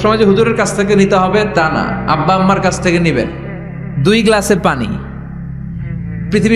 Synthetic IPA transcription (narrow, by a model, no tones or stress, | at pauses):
ʃɔmad͡ʑeɦuduɾeɾkat͡ɕʰt̪ʰek̬enit̪eɦɔbet̪ana̰a̰bːaamːaɾkat͡ɕʰt̪ʰekenibḛn | d̪ujɡlaseɾpanḭ | pɾit̪ʰibi